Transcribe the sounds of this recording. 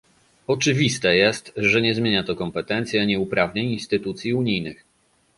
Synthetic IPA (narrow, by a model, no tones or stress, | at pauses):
ɔt͡ʂɘvʲist̪ɛjɛst̪ʐɛɲɛzmʲjeɲat̪ɔkɔmpɛt̪ɛnt̪sʲjɛɲɛupɾavɲeɲinst̪ɘt̪ut̪sʲjiuɲijnɘx